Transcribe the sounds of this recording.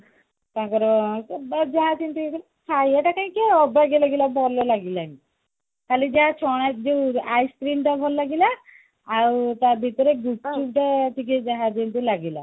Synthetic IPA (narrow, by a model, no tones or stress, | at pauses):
t̪ãkɔɾɔsɔbad͡ʒaɦãtint̪uekl | kʰajaʈakaĩkeɔbaɡelaɡilabʱɔlɔlaɡilan | kalid͡ʒaɦãt͡ʃʰɔɽ̃at̪̚d͡ʒewajskɾimʈabʱɔlːaɡilaː | wt̪abʱit̪ɔɾeɡuʈ̚ʈup̚ʈaʈʰiked͡ʒaɦãd͡ʒint̪ulaɡila̰